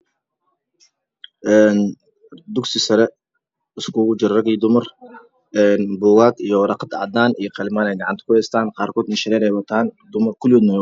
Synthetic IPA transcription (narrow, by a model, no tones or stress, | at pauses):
ʔɛːn | d̪ʊɡsɪsɐɾɛ | ɪskʰuːɣʊd͡ʒɪɾrɐɡiːd̪ʊmɐr | ʔɛːnbuːɣaːɡijɔɾɑqd̪ɑʕd̪aːnʔijɔqɑlɪmaːnɛjɡɑʕant̪ɐ̥kʰʊhɛjst̪ʰaːnqɑːrkʰɔːd̪nɪʃɐɾɛːɾɛːjwɐt̪ʰaːnd̪ʊmɐrkʰʊlɪwɔːd̪nɔ